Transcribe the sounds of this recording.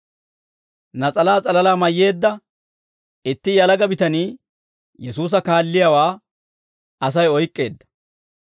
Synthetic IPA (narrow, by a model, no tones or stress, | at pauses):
nɐt͡sʼɐlaːt͡sʼɐlɐlaːmɐjːe̞ːd̪ːɐ | ɪt̪ːɪjɐlɐɡɐbɪt̪ɐniː | jɛsuːs̬ɐkaːlːɪjɐwaː | ɐs̬ɐjɔjkʼːe̞ːd̪ːɐ̥